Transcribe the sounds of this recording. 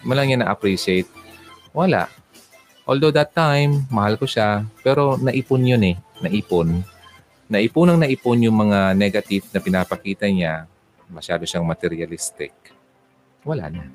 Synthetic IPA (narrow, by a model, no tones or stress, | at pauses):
mɐlɐŋɲanɐʔɐpɾiʃejt̪̚wɐla̰ʔ | ʔold̪od̪ɐt̪ːajmːɐhalkoʃapɛːɾo̞nɐʔiponjonɛnɐʔiponː | ɐʔɪpunɐŋnɐʔɪponjʊŋmɐŋanɛɡɐt̪ɪvnɐpɪnapɐkiːt̪ɐɲa | mɐʃaːd̪oʃaŋmɐt̪ɛɾjɐlist̪ɪ̰k̚ | wɐla̰ʔna